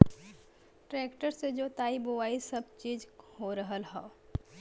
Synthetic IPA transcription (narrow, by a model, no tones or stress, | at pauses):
ʈɾeːkʈəɾsed͡ʒoːt̪aːibowaːisɐb̚t͡ʃiːd͡ʒhoɾəɦəlɦɛo